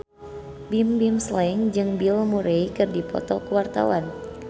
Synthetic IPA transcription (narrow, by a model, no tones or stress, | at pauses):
bimbimslaiŋd͡ʒɨŋbilmuɾeikɨrdipɔ̰t̪ɔkəwart̪a̰wan